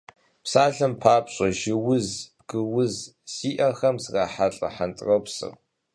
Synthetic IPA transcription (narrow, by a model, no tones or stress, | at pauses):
psaːɮɐmpʰaːpɕʷʼɐʒɪwʊzb̥ɡɨwʊz | siːʔɐxɐmzraːħaɬʼɐ̰ħantʼrɐwpsɨ̰r